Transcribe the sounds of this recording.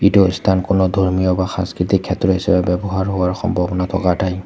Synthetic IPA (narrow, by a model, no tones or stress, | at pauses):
itust̪ʰankonɔd̪ʱoɹmijɔbaxã̰nskɹit̪ikʰːɛtɹɔɦisɛbɛbɛbɔɦaɹɦowaɹxɔ̰mbʱɔbɔnatʰɔ̰katʰaj